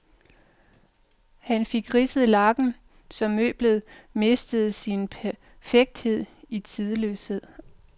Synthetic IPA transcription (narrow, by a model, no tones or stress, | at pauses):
hænfe̝ɡ̥ʁisəð̩ˠlɑ̈ɡ̥n̩ | sɒ̽mːø̰ːb̥ləð̞̩ˠme̝sd̥əð̞̩ˠsinpʰæ | feɡ̥̚d̥he̝ð̞̰ˠit͡sʰið̞ˠəlø̰ːshe̝ð̰ˠ